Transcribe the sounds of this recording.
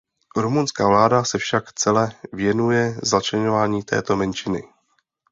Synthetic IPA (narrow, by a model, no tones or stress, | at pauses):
ɾumunskaːvlaːdasɛfʃakt͡sɛlɛvjɛnujɛzat͡ʃlɛɲovaːɲiːt̪ʰɛ̰ːt̪o̞mɛnt͡ʃɪnɪ̰